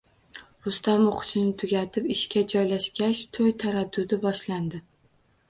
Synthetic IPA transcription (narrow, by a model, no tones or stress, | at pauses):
ɾʊst̪amoqʰʊ̥ʃɪnɪt̪ʰʊɡʲat̪ʰɪpɪʃkʲad͡ʒɒjlaʃkʲaʃt̪ʰojt̪ʰaɾad̪ːʊd̪ɪbɒʃland̪ɪ